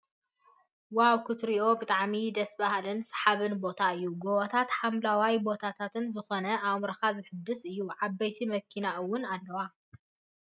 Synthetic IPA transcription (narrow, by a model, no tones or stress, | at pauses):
wawkʰut̪ɾiʔo̞bɨt̪ʼaʕmid̪ɐsbahlɨnsɨ̥ħaβɨnbo̞t̪ʰaɨjːuɡoβɐt̪ʰat̪ħamlawajbo̞t̪ʰat̪ʰat̪ɨnzɨxonɐʔamɾɐxazɨħɨd̪ːɨsɨjːuʕabːɐjt̪ʰimɐkʰːinaʔɨwːʊnalːɐwa